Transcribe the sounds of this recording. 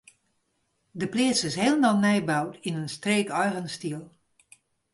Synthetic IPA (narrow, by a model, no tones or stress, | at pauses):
dəplɪəsɪsheːlˠəmalˠnɛjbawtinənstreːkɔjɣənstiəlˠ